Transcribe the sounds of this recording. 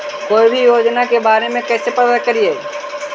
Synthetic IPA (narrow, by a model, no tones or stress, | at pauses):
koːibʱijoːd͡ʒnakebaːɾemẽkɛːsepəd̪ət̪kəɾieː